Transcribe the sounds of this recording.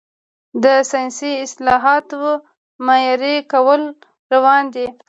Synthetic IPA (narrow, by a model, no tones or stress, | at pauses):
d̪əsijnsiɪslɑɦɑt̪wə | majɑɾekawəl | ɾawɑnd̪i